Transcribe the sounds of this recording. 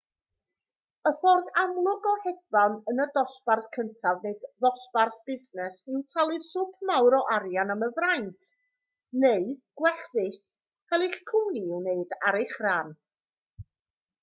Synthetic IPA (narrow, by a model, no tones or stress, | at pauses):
əfɔrðamlˠʊɡɔhɛdvanənədɔsparθkʰəntʰavneɨdðɔsparθb̥ɪznɛsɪwtʰalˠɨsʊpʰmawɾɔʔaɾjanaməvrajntʰ | neɨɡ̥wɛɬðɪθ | kʰalˠeχkʰʊniɪwneɨdaɾeχraːn